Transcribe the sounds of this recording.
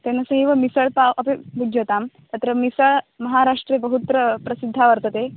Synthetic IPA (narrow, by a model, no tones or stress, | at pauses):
t̪enːəsɐɦiʋəmisəɭpaʋʔɐpebud͡ʒət̪am | t̪ɐt̪ɾəmisəɭmɐɦaɾaʂʈɾebəɦut̪ɾəpɾɐsid̪ʱːaʋəɾt̪ət̪e